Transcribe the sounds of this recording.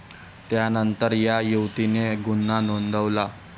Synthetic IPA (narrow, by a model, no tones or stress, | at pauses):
t̪janənt̪əɾjajuwt̪ineɡunːanond̪ʱəʋla